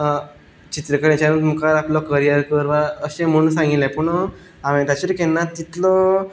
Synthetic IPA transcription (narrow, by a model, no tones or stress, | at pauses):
t͡ɕit̪ɾəkəɽẽt͡ɕanut̪məkaɾaplɔkəɾijəɾkəɾʋaəɕẽm̤əɽũnsãŋɡit̪lɛ̃pəɳo | aʋẽt̪at͡ɕeɾkenːat̪ːit̪lɔ